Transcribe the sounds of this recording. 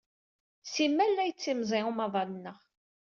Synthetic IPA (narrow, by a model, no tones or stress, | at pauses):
simːælːæjət͡sːimzˤiumɑðˤɑlənːəʁ